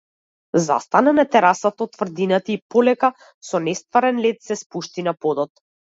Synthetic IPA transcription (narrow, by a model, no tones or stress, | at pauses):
za̰st̪ananat̪ɛɾasat̪ɔt̪ːvr̩d̪inat̪aipɔlɛka | sɔnɛst̪vaɾɛnlɛt̪sɛspuʃt̪inapɔd̪ɔt̪̚